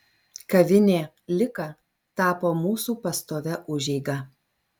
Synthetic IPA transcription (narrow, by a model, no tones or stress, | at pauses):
kɐʋʲɪnʲeː | lʲɪkɑ | t̪ɑːpoːmuːsuːpɐst̪oːʋʲɛʔʊʒʲɛɪɡɐ